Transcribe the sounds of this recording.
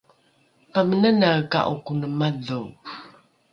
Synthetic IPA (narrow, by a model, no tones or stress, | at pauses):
pamənənaka̰ʔukunəmadu